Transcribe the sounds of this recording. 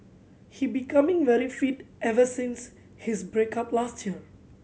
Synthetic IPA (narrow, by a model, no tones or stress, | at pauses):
hibikãmɪ̃ŋvɛɹifitʔɛvəsĩns | hisbɹekaplastʰjiə